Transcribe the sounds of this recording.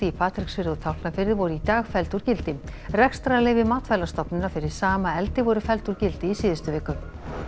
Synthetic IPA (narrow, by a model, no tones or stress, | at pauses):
t̪ɪipʰaːt̪ɾiksfɪɾɪɔɣt̪ʰawhknafɪɾɪɾvɔɾʏit̪aːɣfɛlt̪uɾ̥cɪlt̪ɪrɛkst̪ɾalɛːjvɪmaːt̪fɛjlast̪ɔpnɪnːafɪɾɪɾ̥saːmaɛlt̪ɪvɔɾʏfɛlt̪uɾcɪlt̪ɪisiːðɪst̪ʏvɪːkʏm